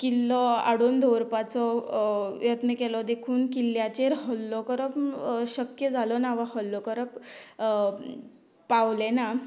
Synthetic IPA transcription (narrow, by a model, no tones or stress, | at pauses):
kilːɔa̰ɽond̪ʱɔʋɾpat͡sɔ | jət̪nəkɛlɔd̪ekʰuːnkilːjat͡ɕeɾɦɔlːɔkəɾəpɕəkjəd͡zʱalɔnaʋahɔlːɔkəɾəp | pːaʋlɛna